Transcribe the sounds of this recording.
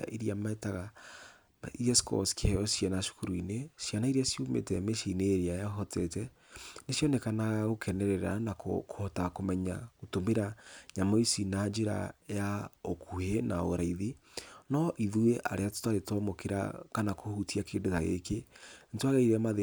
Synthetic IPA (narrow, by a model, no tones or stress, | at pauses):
ʔiɾiamaetaɣa | iɛskɔ̰skeɛɔsjanaʃo̥kuɾuinesjanaiɾasiumḛtɛmeʃineːɾeajaɦɔtɛtɛ | nesjɔnekanaɣaɣokʰɛnɛɾɛɾa̰nakokohɔtakomɛɲaɣotomeɾaɲamoisinad͡ʒeɾa̰jaokuhenao̰ɾaiðinɔʔiðueʔa̰ɾʔeato̥taɾetɔmokeɾa̰kanakohutiakendotaɣḛkentwaɣɛiɾamaðe